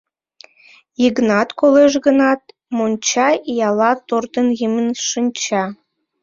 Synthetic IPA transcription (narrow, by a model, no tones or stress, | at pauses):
jəɡnɑt̪koleʃɣə̆nɑt̪̚ | monʲt͡ɕɑjɑlɑt̪ort̪ənjəmənʃɨnʲt͡ɕɑ